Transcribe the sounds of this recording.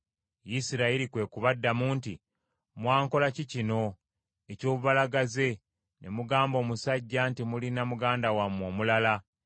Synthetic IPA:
jisiɾailikwe̞ːkuβadːamuːnti | mwaːŋko̞lacicino̞ | eco̞ːβuβalaɡaze̞ | nʔḛmuɡaːmbo̞ːmusaɟːantimulinamuɡaːndawamːwo̞ːmulala

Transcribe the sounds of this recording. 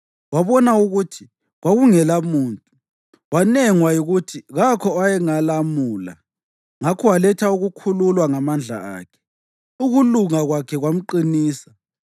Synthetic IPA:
waβɔnauɣutʰi | ɣwaɣuŋɛlamuːntʼu | wanɛŋwajiɣutʰiɣakʰɔajɛŋalamuːla̰ | ŋakʰɔwalɛtʰauɣukʰululwaŋamand͡ɮʱa̰a̰ːkʰɛ̥ | uɣuluŋaɣwakʰɛɣwam̩ǃiniːsḁ

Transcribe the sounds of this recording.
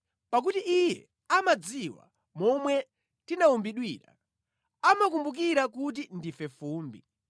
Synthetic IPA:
pak̬utiijɛ̰ | amad͡ziwa̰ | mɔmwɛ | tinaumbiɗwiːɾa̰ | amak̬umbuk̬iɾakut̬indifɛfuːmbi

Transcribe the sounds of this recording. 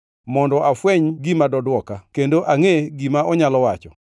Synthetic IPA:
mɔndɔʔafwɛɲɡimadɔdwɔkakendoʔaŋeɡimaʔɔɲalɔwat͡ʃɔ

